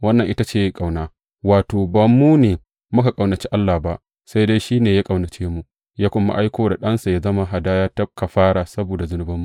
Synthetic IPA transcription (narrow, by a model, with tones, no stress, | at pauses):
wɐ˦nːɐ˨ŋʔɪ˦ta˦t͡ʃeː˦jkʼa˨wnaː˦ | waː˨toː˨bɐ˨mːuː˦neː˨ | mʊ˦ka˨kʼa˨wnɐ˨t͡ʃe˦ʔa˦lːaː˨ba˦ʔ | sa˦jda˦jʃiː˦neː˨ja˦kʼa˨wnɐ˨t͡ʃeː˦mu˨ | jaː˦kʷʊ˦mːa̰˦ʔa˦jkʷoː˦da˨ɗɐ˦nsa˨ja˦zɐ˦ma˦ɦa˨daː˦jaː˦tɐ˦p̚ka˨ɸaː˦ɽa˨sɐ˦boː˨da˨zʊ˦nʊ˦bɐ˦mːu˦